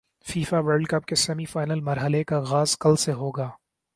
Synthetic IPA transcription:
fiːfaʋəɾɖkɐp̚kesɛmifaːɪnəlmɐɾɦəlekaɣaːzkɐlseɦoːɡaː

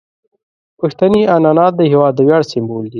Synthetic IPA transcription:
pəxt̪anianɑnɑt̪̚d̪əɦɪwɑd̪̚ːəwjɑɽsɪmbold̪i

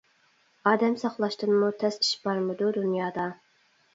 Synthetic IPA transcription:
ɑːd̪ɛmsɑχlˠɑʃt̪ɨnmut̪ʰɛsi̥ʃbɑɾmɨd̪ud̪unjɑːd̪ɑ

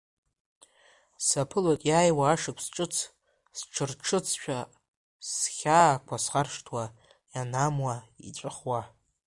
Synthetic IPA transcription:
sapʰɨlatʼjaːjwaːʂɨkʷʰsʈ͡ʂʼɨt͡sʰ | sʈ͡ʂʰɨrʈ͡ʂʰɨt͡sʰʃᶣa | sχʲaːkʷʰasχarʂtʰwa | janamwaḭʈ͡ʂʷʼɨχwa

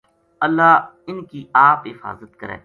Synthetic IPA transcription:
əlːaː | ɪnkiʔaːpɦɪfa̰ːzət̪kəɾḛ̃ː

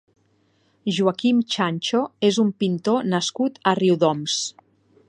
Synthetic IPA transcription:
ʒuakimt͡ʃanʲt͡ʃoezumpint̪onəskut̪əriwðɔms

